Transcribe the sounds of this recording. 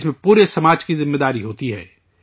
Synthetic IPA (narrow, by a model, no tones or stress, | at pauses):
smẽpuːɾesɐmaːd͡ʒkizɪmːeːd̪aːɾiɦoːt̪iɦɛ̰ː